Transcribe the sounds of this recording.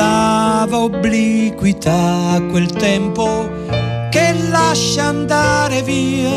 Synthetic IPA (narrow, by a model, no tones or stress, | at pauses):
avaoblikwit̪ʰaːkːwelt̪ɛmpo | kelːaʃːaːnd̪aɾevi